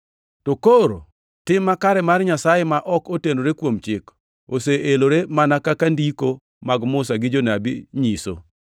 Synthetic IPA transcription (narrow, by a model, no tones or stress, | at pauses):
tokoɾo̰ | tɪmːakaɾɛmarɲasajemaʔɔkotenoɾekwomt͡ʃɪk | oseeloɾemanakakandiko | maɡmʊsaɡɪd͡ʒonabiɲiso̰